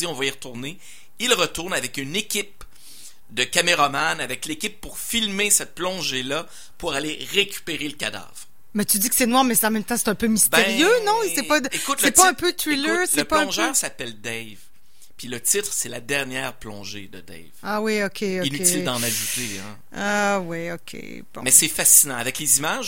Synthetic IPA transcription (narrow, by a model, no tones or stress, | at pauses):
iɔ̃vaiʁt̪uʁne | ilʁət̪uʁnavɛkynekʲip | d̪əkameʁamanavɛklekʲɪpːuʁfilmesɛt̪̚plɔ̃ʒela | puʁaleʁekʲy̥peʁeləkʲad̪a̰ːvʁ | mɛt̪yd̪ikə̥sɛnwaːʁmɛsɑ̃mɛ̃mt̪ɑ̃se̥t̪ɛ̃pømistbɛẽʁjønɔ̃ɛpad̪əekʊt̪lɛpaɛ̃pøt̪ʁilœslɛəpɔ̃ʒœːʁsapɛld̪ɛjv | pɥilət̪it̪χsɛlad̪ɛʁnjɛːʁplɔ̰̃ʒed̪əd̪ɛ̰vawiokʲʰeoinyt̪ɪld̪ɑ̃naʒut̪eɛ̃ | awiokʲʰḛ | b̃mɛsɛfasinɑ̃avɛklezimaʒ